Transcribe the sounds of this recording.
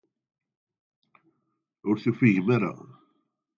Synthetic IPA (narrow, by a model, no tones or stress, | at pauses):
ʊɾθufiʝəmaɾa̰